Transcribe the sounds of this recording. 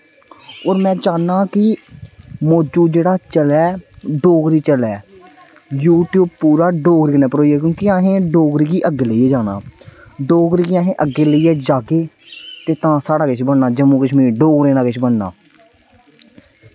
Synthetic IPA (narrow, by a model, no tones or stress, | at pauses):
oːɾmɛ̃ːt͡ʃaːnaːkɪ | moːd͡ʒuːd͡ʒeːɽaːt͡ʃəlɛːɖoːɡɾiːt͡ʃəlɛː | juːʈjuːb̚puːɾaːɖoːɡɾiːknɛːpəɾoːiɛːk̬jõːkiãːɦẽːɖoːɡɾiːɡiːʔəɡːeːləiɛːd͡ʒaːna̰ːɖoːɡɾiːɡiaːɦẽːʔəɡeːləiːɛːd͡ʒaːɡeː | t̪eːt̪ãːsaːɖaːkɪt͡ʃʰbəɳnaːd͡ʒəmũːkəʃmiːɖoːɡɾẽːnaːɡɪt͡ʃʰbəɳna̰ː